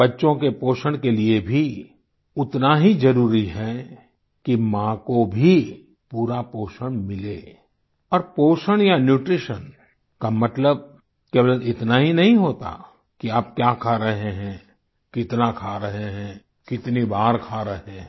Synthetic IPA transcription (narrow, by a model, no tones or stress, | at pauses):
bɐtːʃõkepoːʃəɽ̃keliebʱi | ʊt̪naɦid͡ʒɐɾuːɾiɦɛ | kimãːkobʱi | puːɾapoːʃəɽ̃mɪleː | ɔːɾpoːʃəɽ̃janjuːʈɾɪʃən | kamɐt̪ləb̚ | keːblənɪt̪naɦinɐɦĩɦoːt̪a̰ | kiaːp̚kjaːkʰaɾɐɦeɦɛ̃ | kɪt̪nakʰaɾɐɦeɦɛ̃ | kɪt̪nibaːɾkʰaːɾɐɦẽ